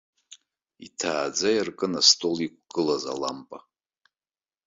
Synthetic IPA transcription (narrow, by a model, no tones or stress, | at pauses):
ḭtʰaːd͡zajirkʼɨnastʼolik̚ʷʰʼɡ̥ɨlaza̰lampʼa